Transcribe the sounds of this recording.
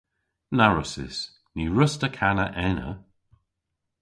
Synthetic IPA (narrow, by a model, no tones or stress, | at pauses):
naɹʊsɪ̰s | niɹʊstəkʰanəʔɛnə̰